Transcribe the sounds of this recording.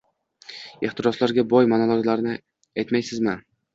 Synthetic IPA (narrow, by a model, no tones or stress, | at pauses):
eχt̪ʰɪɾɒslaɾɡʲabɒjmanalˠoɡʲlaɾɪnɪ | ajt̪majsɪzmɪ